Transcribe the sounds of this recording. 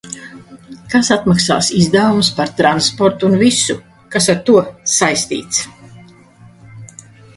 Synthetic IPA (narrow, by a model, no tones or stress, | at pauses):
kasat̪maksa̰ːsizd̪avumspaɾt̪ɾanspɔɾt̪uːnvisu | kasaɾt̪uɔsajst̪ḭːt̪s